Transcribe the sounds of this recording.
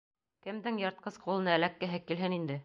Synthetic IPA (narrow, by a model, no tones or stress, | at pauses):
kɘ̆md̪ɘŋjɑɾt̪̚qɤsqʰulˠɤ̆nɤælækːɘ̆ɦɘkːilɦɘnind̪ɘ